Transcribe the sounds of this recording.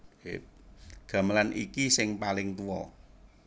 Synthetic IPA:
e | ɡ̥ä̤məlanʔḭkisɪŋpalɪŋt̪uwɔ̰

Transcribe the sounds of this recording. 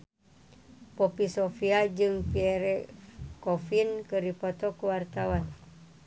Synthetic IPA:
popisofiad͡ʒɨŋpiɛɾɛkofinkəɾipot̪ɔkuwart̪awan

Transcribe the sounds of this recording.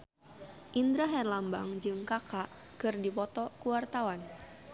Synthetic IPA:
ʔind̪ɾaɦɛrlamba̰ŋd͡ʒɨŋkakaʔ | kɨrdipɔt̪ɔkuwart̪awan

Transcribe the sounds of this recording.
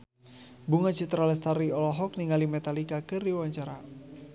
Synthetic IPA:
buŋat͡ʃit̪ɾalɛst̪aɾiɔlɔɦɔk̚niŋalimɛt̪alikakɨriwawaɲt͡ʃaɾa

